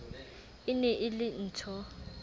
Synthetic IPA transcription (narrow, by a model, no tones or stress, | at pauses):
ɪnɛʔɪlɪn̩tʰɔ